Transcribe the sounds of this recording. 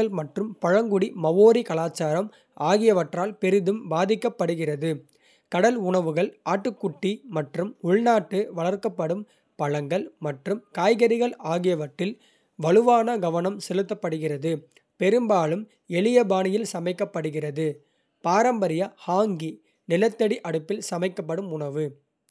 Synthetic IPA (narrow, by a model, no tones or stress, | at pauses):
ɐɭmɐʈrɯmpɐɻɐŋɡʊɽimɐʋoːɾikɐlaːt͡ʃːaːɾɐm | aːɣɪjɐʋɐʈraːlpɛɾɪðɯmbaːðɪkːɐpːɐɽɯɣɪrɐðɯ | kɐɽɐlʊɳɐʋɯɣɐɭʔaːʈːɯkːʊʈːimɐʈrɯmʊɭnaːʈːɯʋɐɭɐɾkːɐpːɐɽɯm | pɐɻɐŋɡɐɭmɐʈrɯmkaːjɣɐɾɪɣɐɭaːɣɪjɐʋɐʈːɪl | ʋɐɭɯʋaːnɐɡɐʋɐnɐmsɛlɯt̪̬ːɐpːɐɽɯɣɪrɐðɯ | pɛɾɯmbaːlɯm | ɛɭɪjɐbaːnɪjɪlsɐmɐɪkːɐpːɐɽɯɣɪrɐðɯ | paːɾɐmbɐɾɪjɐhaːŋɡi | nɪlɐt̪ːɐɽiʔɐɽɯpːɪlsɐmɐɪkːɐpːɐɽɯmʊɳɐʋɯ